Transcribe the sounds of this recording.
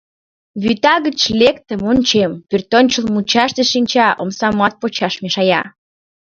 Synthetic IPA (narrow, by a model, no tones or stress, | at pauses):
βyt̪ɑɣət͡ɕlek̚t̪əmonʲt͡ɕempyrt̪onʲt͡ɕəlmut͡ɕɑʃt̪eʃinʲt͡ɕɑʔo̰msɑmɑt̪̚pot͡ɕɑʃmeʃɑjɑ